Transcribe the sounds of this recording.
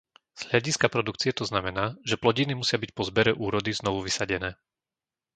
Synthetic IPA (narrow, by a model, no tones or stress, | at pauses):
z̥ɦʎaɟiskapɾɔd̪ukt͡siɛt̪ɔznamɛnaːʒɛplɔɟinimusɪabic̚pɔzbɛɾɛʔuːɾɔd̪iznɔʋuʋisaɟɛnɛː